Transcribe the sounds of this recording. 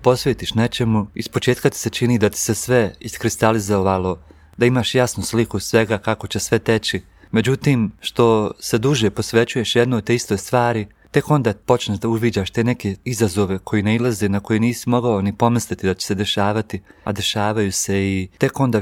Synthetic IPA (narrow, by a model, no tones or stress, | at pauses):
po̞sʋeːt̪iʃnet͡ʃe̞muispo̞t͡ʃe̞ːt̪kat̪i̥se̞t͡ʃiniːd̪at̪i̥sesʋe̞iskɾist̪alizoʋalo̞ | d̪aimaːʃjasnuslikusʋe̞ɡakako̞t͡ɕesʋe̞t̪e̞t͡ɕi | me̞d͡ʑut̪iːmʃt̪o̞se̞d̪uʒe̞po̞sʋe̞t͡ɕuje̞ʃjed̪not̪t̪eist̪o̞jst̪ʋaːɾi | t̪e̞ko̞nd̪aːpo̞t͡ʃneʒd̪auʋiːd͡ʑaːʃt̪eːne̞ke̞izazo̞ʋe̞kʰo̞jineilˠazenako̞jeniːsimo̞ɡaonipo̞mislit̪id̪at͡ɕe̥sed̪e̞ʃaːʋat̪ia̰d̪e̞ʃaːʋajuːse̞it̪e̞ko̞nd̪aː